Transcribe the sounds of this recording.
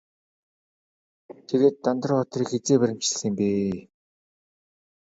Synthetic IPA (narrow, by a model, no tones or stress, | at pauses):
t̪ʰeɣeːt̪ːant̪̆rʊɔt̪riːkxet͡seːpæɾʲɪ̆m̥t͡ɕɮĭːmpeː